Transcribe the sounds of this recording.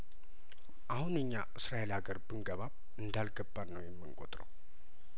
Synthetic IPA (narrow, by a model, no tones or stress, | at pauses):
ʔahunɨɲːaʔɨsɾajelhaɡəɾbɨŋɡəβaβ | ɨnd̪alɡəbːanəwjɛmːɨŋkʼot̪ʼɾəw